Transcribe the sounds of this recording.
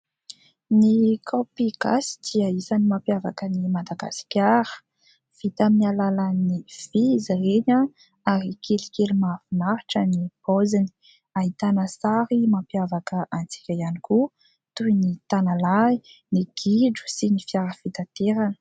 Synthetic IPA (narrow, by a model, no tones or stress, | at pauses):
nikʰopiɡ̥a̰si̥d̪̥iəisanimampjavakənimad̪aɡa̰si̥kʲaɾə̥ | fit̪aminialaləniviziɾeɲa | aɾikʰelikelimafinaɾiʈ͡ʂənipozini̥ | aɦit̪anəsaɾimapjavakəʔant͡si̥kʲajaniku | t̪ujnit̪analainiɡ̥iɖ͡ʐu̥sinifjaɾəfit̪at̪eɾən